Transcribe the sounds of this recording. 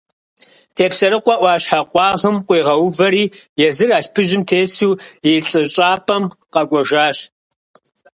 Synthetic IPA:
tʰeːpsɐɾɨqʷɑʔʷɑːɕħaqʷɑːʁɨmqʷiːʁɐwʊvɐɾiːjɛzɨraːɬpʰɨʒɪmtʰeːsuːjeɬʼɨɕʼaːpʼɐmqɐɡʷʼɔʒaːɕ

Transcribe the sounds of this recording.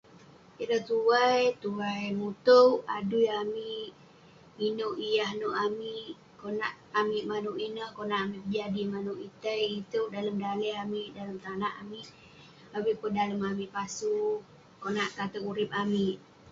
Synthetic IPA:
iɾəht̪uwajt̪uajmut̪uwaduiamiʔʔʔ | minoʔijahnoʔamiʔ | konaʔ | amiʔmanuʔinəhkonaʔamiʔpəd͡ʒadimanuʔit̪əjit̪uʔdaləmdaləamiʔdaləmt̪anaʔamiʔ | awiʔpəndaləmamiʔpasu | konaʔkat̪əkuɾɪp̚amiʔ

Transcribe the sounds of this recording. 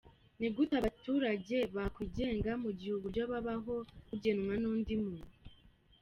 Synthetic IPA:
niɡutaβatuːɾaɟe̞βakwiɟe̞ːŋɡamuɟihuɡuɟaβaβaɦo̞kuɟe̞nŋwanuːndimun

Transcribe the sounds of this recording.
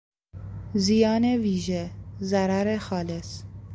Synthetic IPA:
zijɑːneviːʒezaɾaɾexɑːles

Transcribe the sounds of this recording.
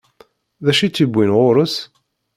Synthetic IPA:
ðæʃit͡sːibʷːinʁoɾəs

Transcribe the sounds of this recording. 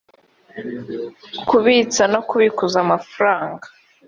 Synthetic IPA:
kuβit͡sanokuβikuzamafɾaːŋɡa

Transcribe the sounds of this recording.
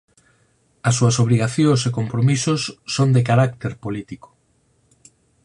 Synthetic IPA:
ɐsːuɐsoβ̞ɾiɣaθjõsekompɾomisʊsːond̪ekaɾak̚t̪eɾpolit̪iko̥

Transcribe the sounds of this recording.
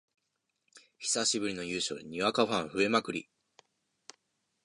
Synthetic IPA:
çi̥saɕibɯ̟ɾʲino̞jɯ̟ːɕo̞̰ːɲ̟iβakaɸãɰ̃ɸɯ̟e̞makɯ̟ɾʲḭ

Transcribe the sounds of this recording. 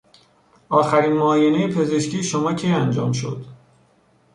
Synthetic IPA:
ʔɒːxæɾiːnmɒːjenejepʰe̞ze̞ʃcʰiːʃomɒːcʰejænd͡ʒɒːmʃo̞̰d̪̥

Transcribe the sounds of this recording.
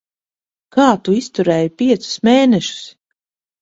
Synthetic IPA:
kaːt̪uist̪uɾɛːjipʲiɛt̪su̥smeːnɛʃu̥s

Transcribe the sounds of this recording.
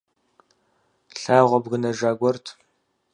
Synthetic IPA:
ɬaːʁʷɔbɣɨnɐʒaːɡʷɔrtʰ

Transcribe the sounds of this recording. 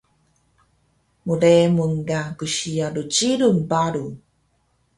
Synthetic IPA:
muɾemuŋɡaɡuɕiaɾut͡ɕiɾunbaɾu

